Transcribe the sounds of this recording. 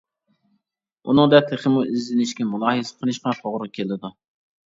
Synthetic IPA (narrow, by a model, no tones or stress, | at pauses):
ṵnɨŋd̪ɛt̪ʰeχəmuʔɪzːɪnɪʃkʲɛmulˠɑːɦesɨ̥qʰəlˠɨʃqɑt̪ʰoʁɾʊkʲʰelɪd̪u